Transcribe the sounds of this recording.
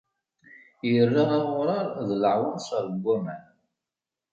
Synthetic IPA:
jərːɑʁˤɑʁʊɾˤɑɾˤðləʕwaðsəɾˤɡʷːæmæn

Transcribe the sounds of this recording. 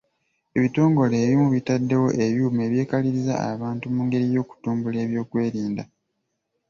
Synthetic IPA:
e̞βito̞ːŋɡo̞le̞ːβimuβitadːe̞wo̞ʔe̞βjuːme̞ːβje̞ːkaliɾiza̰a̰βaːntumuːŋɡe̞ɾijo̞ːku̥tuːmbule̞ːβjo̞ːkwe̞ːɾiːnda

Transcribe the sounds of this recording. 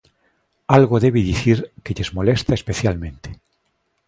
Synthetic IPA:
alɣoðe̞βiðiθiɾkeʎezmo̞lest̪aespeθjalmẽnt̪e̥

